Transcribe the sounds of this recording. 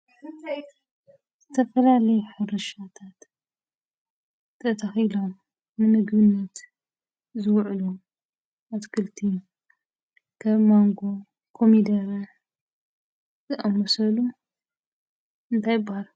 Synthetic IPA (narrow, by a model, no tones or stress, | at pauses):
ɨt̪ʰaj | z̥ɨt̪ʰɐfɐlalɐjuħɨɾɐʃat̪ʰat̪ | t̪ʰɐt̪ʰɐxilo̞m | nɨmɨɡbɨnːɐt̪ | zɨwʕlu | ʔat̪kʰɨlt̪ʰi | kʰɐβmoŋɡo̞ | kʰomid̪ɐɾɐ | tɐʔʼɐmːosɐlu | ɨnt̪ʰajɪbːahalu